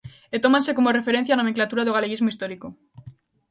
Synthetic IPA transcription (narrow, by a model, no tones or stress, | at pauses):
et̪omãnse̞komorefeɾen̟θjanameŋklat̪uɾaðoɣ̞aleɣizmoist̪oɾiko